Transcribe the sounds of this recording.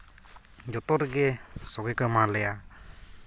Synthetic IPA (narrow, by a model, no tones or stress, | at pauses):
d͡ʒɔt̪ɔɾɡɛsɔɡɛkɯmalɛja